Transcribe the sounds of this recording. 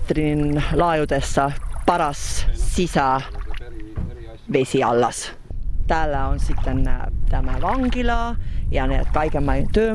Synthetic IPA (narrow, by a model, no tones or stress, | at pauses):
t̪rinlɑːjud̪̥e̞sːɑpɑɾɑsːisɑ | ve̞sʲiɑ̰lːɑ̰s | t̪æːlːeonsit̪ːˑent̪æmɑvɑŋɡ̥ilɑjɑnḛːd̪̥̚kɑjɡ̥emːɑjt̪øː